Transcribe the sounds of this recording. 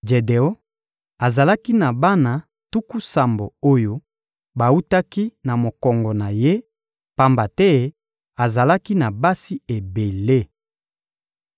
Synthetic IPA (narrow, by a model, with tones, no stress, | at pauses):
d͡ʒe˨de˨o˦ | a˨za˨la˦ki˦na˨ba˦na˨ | tu˦ku˦sa˨mbo˨o˦jo˦ | ba˨u˦ta˦ki˦na˨mo˨kɔ˨ŋɡɔ˨na˨je˦ | pa˦mba˨tɛ˦ | a˨za˨la˦ki˦na˨ba˦si˦e˨be˨le˦